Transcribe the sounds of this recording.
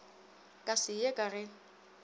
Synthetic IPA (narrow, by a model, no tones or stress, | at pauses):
kʼasɪjekʼarɪ